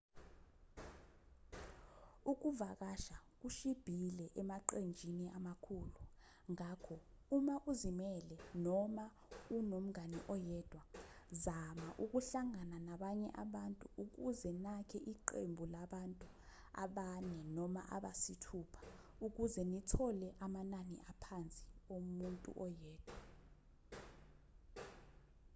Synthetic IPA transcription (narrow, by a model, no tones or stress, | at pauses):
uk̬uvak̬aʃak̬uʃib̥ʱilɛʔɛmaǃend͡ʒʱiniʔamakʰulu | ŋakʰɔ | umaʔuzimɛlɛnɔma | unom̩aniʔɔjɛːd̥ʱwa | zamaʔuk̬uɬaŋananaɓaɲɛ̰ʔaɓantʼuʔuk̬uzɛnakʰɛʔiǃḛmbʱulaɓantʼu | a̰ɓanɛnɔma̰ʔa̰ɓasitʰupʰḁuk̬uzɛnitʰɔlɛʔamananḭʔapʰant͡sʼiomuntʼṵʔɔjɛːd̥ʱwa